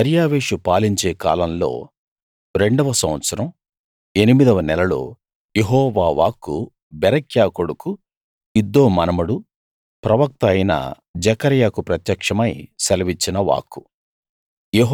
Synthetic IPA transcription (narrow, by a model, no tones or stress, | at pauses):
ɐɾjaːʋeːʂupaːliɲt͡ʃe̞ːka̰ːlɐmlo̞̰ː | ɾe̞ɳɖɐʋɐsɐmʋɐt̪sɐɾɐm | e̞nimid̪ɐʋɐnɛlɐlo̞̰ː | jeɦɔːʋaːʋa̰ːkːṵ | bɛɾɐkʰjaːkoɽuku | id̪ːoːmɐnɐmɐɽu | pɾɐʋɐk̚t̪ɐjnɐ̰ | d͡ʒɐkɐɾjaːkupɾɐt̪jɐkʂɐmɐjsɐlɐʋit͡ʃːinɐʋa̰ːkːu̥ | jeɦ